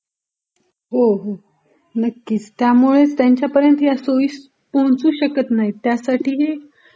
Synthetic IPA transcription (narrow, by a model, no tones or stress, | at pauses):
ɦoɦo | nəkːiːt͡st̪jamuɭet͡st̪jaɲt͡ɕjapəɾjənt̪jasoʋiːs | poɦt͡suːɕəkət̪naɦit̪jasaʈʰiːɦe